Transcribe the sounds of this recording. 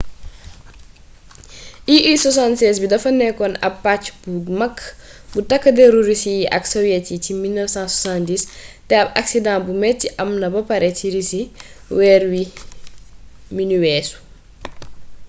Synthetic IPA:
ʔiʔisɔsantsɛs̬bidɐfɐnɛkɔnɐ̰pːat͡ʃbuɡmɐkːbutɐkːɐdeɾuɾisijiʔɐ̰ksɔwjɛticimilnəfsãsosãndistɛɐbɐ̰ksidãːnbumɛtːiʔɐmnɐbɐpɐɾɛtiɾisiwɛːɾwi | miniwɛːsu̥

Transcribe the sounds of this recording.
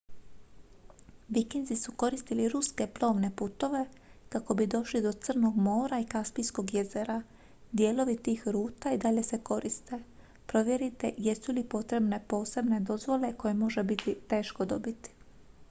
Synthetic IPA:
ʋikend̪zisuko̞ɾist̪iliɾuske̞plo̞ːʋne̞put̪o̞ʋe̞kako̞bid̪o̞ʃlid̪o̞t̪sər̩no̞ɡmo̞ːɾaikaspijsko̞ɡjeze̞ɾa | d̪je̞ːlo̞ʋit̪iːxɾuːt̪aid̪aʎe̞se̞ko̞ɾist̪e̞ | pɾo̞ʋje̞ɾit̪e̞jesulipo̞t̪ɾe̞bne̞po̞ːse̞bne̞d̪o̞zʋo̞le̞ko̞jemo̞ʒe̞bit̪it̪e̞ːʃko̞d̪o̞bit̪i̥

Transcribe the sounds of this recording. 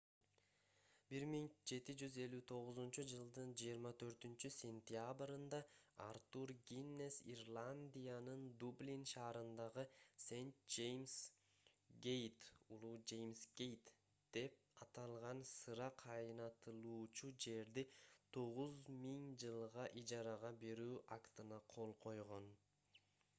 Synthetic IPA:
b̥iɾmiŋd͡ʒe̞t̪id͡ʒyze̞lʲːyt̪ʰo̞ʁʊzunt͡ʃud͡ʒɯlˠd̪ɯnd͡ʒijːɾmɑt̪ʰø̞ɾt̪ynt͡ʃysʲe̞nʲt̪jabɾɯnd̪ɑa̰ɾt̪uɾɡʲinːe̞sirlˠanʲd̪ʲijanɯnd̪ublʲinʃɑːɾɯnd̪ɑʁɯse̞jnt̪̚d͡ʒe̞jms | ɡʲe̞jt̪ulˠud͡ʒe̞jmsɡ̥ʲe̞jt̪ | d̪̥e̞p̚ɑt̪ɑlˠʁɑnsɯɾɑqʰɑjnɑt̪ɯlˠuːt͡ʃud͡ʒe̞ɾd̪it̪ʰo̞ʁuzmiŋd͡ʒɯlˠʁɑʔid͡ʒɑɾɑʁɑbe̞ɾyːʔakt̪ɯnɑqʰo̞lˠqʰo̞jʁo̞n

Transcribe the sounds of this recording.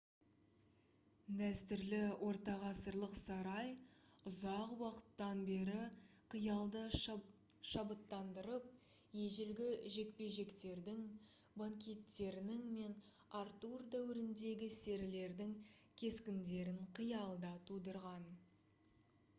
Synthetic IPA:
d̪æst̪ɪɾlɪwʔo̞ɾt̪ɑʁɑsəɾlˠəqsɑɾɑjʊzɑqwɑqə̥t̪ːɑnbe̞ɾɪqʰəjɑlˠd̪ə | ʃɑbət̪ːɑnd̪əɾəp̚ | je̞ʒɪlɡʲɪʒe̞k̚pe̞ʒe̞kt̪e̞ɾd̪ɪŋ | baŋkʲe̞t̪ːe̞ɾɪnɪŋme̞n | aɾt̪urd̪æwɪɾɪnd̪e̞ɡʲɪse̞ɾɪle̞ɾd̪ɪŋkʲʰe̞skʲɪnd̪e̞ɾɪɴqʰəjɑlˠd̪ɑt̪ʰud̪əɾʁɑn

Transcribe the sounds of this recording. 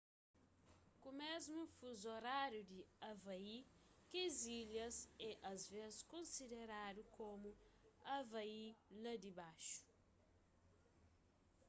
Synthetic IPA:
kumezmũfuzoɾaɾjud̪iɐvɐi | keziljɐzɛʔɐzvezɪskõnsid̪eɾad̪ukomʊɐvɐilɐd̪ibaʃu̥

